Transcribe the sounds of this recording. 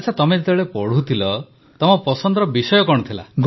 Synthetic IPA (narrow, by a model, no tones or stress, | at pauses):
at͡ʃʰat̪ɔmed͡ʒet̪bɭepɔɽ̤ut̪ʰilɔ | t̪ɔmɔpɔsɔnd̪ɾɔbisɔjɔkɔɽ̃ɔt̪ʰila̰ɡ